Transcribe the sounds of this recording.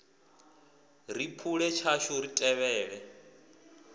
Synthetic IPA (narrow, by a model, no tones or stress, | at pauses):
ripʰuɺɛt͡ʃʰaʃuɾitʼɛβɛːɺɛ